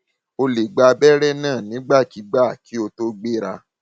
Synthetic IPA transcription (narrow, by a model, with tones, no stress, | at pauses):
o˧le˨ɡ͡ba˧bɛ˦ɾɛ˦˨nãː˦˨nĩ˨˦ɡ͡ba˦˨ti˨˦ɡ͡ba˦˨ki˨˦o˧to˦ɡ͡be˦˨ɾa˧